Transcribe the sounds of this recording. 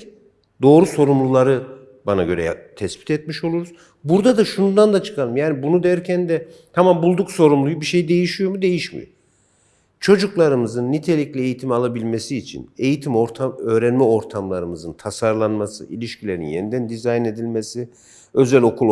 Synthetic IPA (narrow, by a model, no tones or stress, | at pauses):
d̪o̞ːɾuso̞ɾumlˠulˠaɾɯ | banaɟø̞ɾɛ̰t̪ʰɛsbi̥t̪ʰɛt̪̚miʃo̞lˠuɾuz | buɾd̪ad̪aʃunund̪and̪at͡ʃʰɯ̥kʰalɯmjaːnibunud̪ɛɾcʰænd̪ɛt̪ʰamambulˠd̪ukso̞ɾumlˠujubiʃe̞jid̪e̞jiʃijo̞mud̪e̞jiʃmḭjo̰m | t͡ʃʰo̞d͡ʒuklˠaɾɯmɯzɯnːit̪ʰe̞lʲiclʲie̞jit̪ʰimalˠabilʲme̞siːt͡ʃʰḭne̞jit̪ʰimoɾt̪ʰaø̞ːɾɛnmɛo̞ɾt̪ʰamlˠaɾɯmɯzɯnt̪ʰasaɾlˠanmasɯ̰ilʲiʃcʰilʲe̞ɾḭnjenid̪ænd̪izajne̞d̪ilʲmesi | ø̞zɛlʲo̞kʰulˠ